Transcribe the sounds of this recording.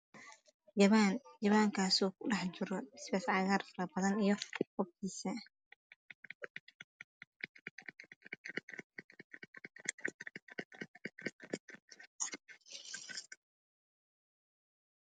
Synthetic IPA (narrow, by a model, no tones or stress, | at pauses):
jɐβanjɐβaːŋkʰaːsɔːkʰʊɖɑħt͡ʃɪɾɔɪspɛːsʕɑːɣaːrfɐɾɐbɐðɐnijɔqɔfkʰiːsɐ